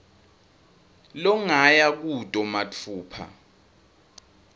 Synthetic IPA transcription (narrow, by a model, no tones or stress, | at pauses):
lɔŋajak̬utʼɔmat͡fʰuːpʰa̰